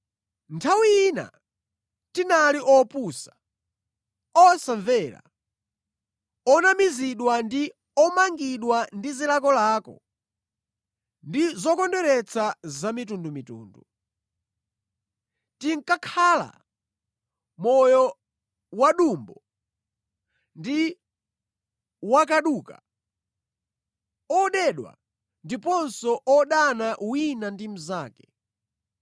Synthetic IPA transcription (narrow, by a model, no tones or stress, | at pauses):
ntʰawiːna̰ | tinaliʔɔpusḁ | ɔsaɱvɛːɾa̰ | ɔnamiziɗwandi | ɔmaŋɡiɗwandizilakɔlaːkɔ̰ | ndizɔkɔndɛɾɛt͡sʰazamitundumitṵːndu | tiŋ̩kakʰaːla̰ | mɔjɔ | waɗumbɔ | ndi | wakaɗuːka | ɔɗɛɗwa̰ | ndipɔnsɔʔɔɗanaʔwinandimuzaːkɛ̥